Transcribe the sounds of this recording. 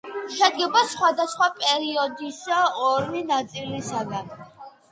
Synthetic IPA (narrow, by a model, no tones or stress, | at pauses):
ʃɛd̪̚ɡɛbasχwad̪asχwapʼɛɾiɔd̪isaɔɾminat̪sʼilisad̪a